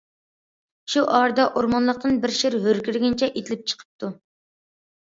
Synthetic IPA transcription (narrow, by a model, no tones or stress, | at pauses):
ʃuʔɑɾd̪ɑʔoɾmɑnlˠəq̚t̪ɨnbɪɾʃiɾɦøɾkʲyɾɡʲɪnt͡ʃʰɛʔet̪ʰɪlɪp̚t͡ʃʰə̥qʰə̥p̚t̪ʰu